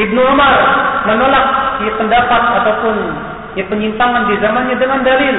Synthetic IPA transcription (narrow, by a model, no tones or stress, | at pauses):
ʔib̚nuamarmənolak̚japəndapat̪̚at̪awpʊn | japəɲint̪aŋandizamanɲadəŋandalɪl